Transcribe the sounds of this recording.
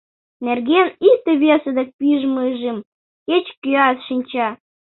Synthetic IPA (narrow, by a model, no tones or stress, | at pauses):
nerɣenit̪ə̆βʲesə̆d̪ĕk̚piʒməʒem | ket͡ɕkyɑsʃinʲt͡ɕɑ